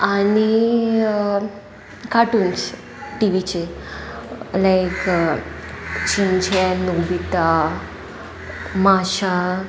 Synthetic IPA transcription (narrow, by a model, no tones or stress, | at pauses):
ani | kaʈuːnt͡s | ʈiʋit͡ɕe | lajk | t͡ɕint͡ɕɛnobit̪a | maɕa